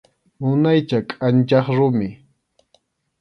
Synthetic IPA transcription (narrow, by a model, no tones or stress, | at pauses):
ʊnajt͡ʃakʼant͡ʃɑχɾʊmɪ